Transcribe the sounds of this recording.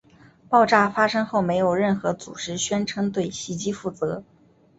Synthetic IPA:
pɑ˥˧ʊʈ͡ʂa˥˩fa˥ʂɤ˥ŋxo˥˩ʊme˧˥ɪjo˨˩ʊɻə˥˩nxɤ˧˥t͡sṵ˨˩ʈ͡ʂɻ̩˥ɕɥɛ˥nʈ͡ʂʰɤ˥ŋt̪we˥˩ɪɕi˧˥t͡ɕi˥fu˥˩t͡sɤ˧˥

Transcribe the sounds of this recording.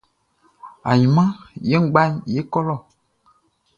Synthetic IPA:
a̰˨ɲĩ˨mã˦je˦ŋ̩˦ɡ͡ba˦ɲje˦kɔ˦lɔ˦˨

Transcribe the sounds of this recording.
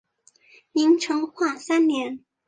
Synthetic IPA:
ni˧˥ŋʈ͡ʂʰɤ˧˥ŋxwa˥˩sa˥nnjɛ˧˥n

